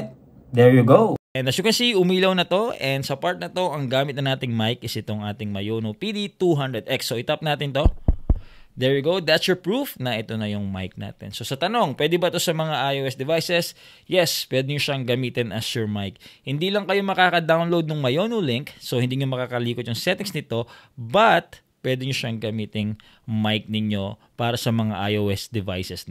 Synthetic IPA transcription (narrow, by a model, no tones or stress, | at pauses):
d̪ɛɹjuɡoʔɛnɐʃukɛnsiʊmiːlɐwnɐt̪o̞ʔɛnd̪sɐpaɹt̪̚nɐt̪o̞ʔɐŋɡaːmɪt̪̚nɐnaːt̪ɪŋmajkʔɪsʔɪt̪o̞ŋʔaːt̪ɪŋmɐjoːnopid̪it̪uɦand̪ɹɛd̪ʔɛksoʔɪt̪ɐp̚naːt̪ɪnt̪o̞ | d̪ɛɹjʊɡowd̪at̪sjɔɹpɹufnɐʔɛt̪o̞nɐjʊŋma̰jk̚na̰ːt̪ɛ̰nso̞sɐt̪ɐno̞ŋpwɛːd̪ɪbɐt̪o̞sɐmɐŋaʔajoːʔɛsd̪ɛvajsɛs | jɛspwɛd̪ɛɲoʃɐŋɡɐmiːt̪ɪnɐsʊɹmajk̚hɪnd̪iːlɐŋkɐjo̞mɐkaːkɐd̪awnlowd̪̚nʊŋmɐjonolɪŋksohɪnd̪iːɲomɐkaːkɐliːkot̪jʊŋsɛt̪ɪŋsnɪt̪o̞bɐt̪̚ | pwɛd̪ɛɲoʃɐŋɡɐmiːt̪ɪŋ | majk̚nɪɲo̞paːɾɐsɐmɐŋaʔajoːwʔɛsd̪ɛva̰jsɛs